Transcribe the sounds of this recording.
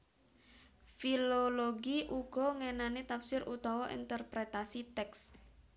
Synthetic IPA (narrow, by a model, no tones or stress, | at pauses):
filoloɡiʔuɡ̥ɔ̤ŋenanet̪afsɪɾʔut̪ɔwɔʔḭnt̪ərpɾet̪asit̪ɛks